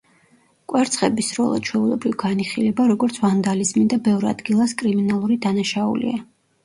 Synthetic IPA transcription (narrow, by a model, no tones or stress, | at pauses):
kʼwɛɾt̪sʰχɛbisɾɔ̰lˠa̰t͡ʃʰwɛulɛbɾivɡaniχilɛbaɾɔɡɔɾt̪sʰvand̪alizmid̪abɛvɾa̰d̪̥ɡilˠaskʼɾiminalˠuɾid̪anaʃaṵlḭa